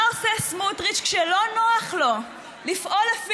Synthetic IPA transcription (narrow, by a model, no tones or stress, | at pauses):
osesmutʁit͡ʃkʃelo̞noaχlo̞ | lifʔolaf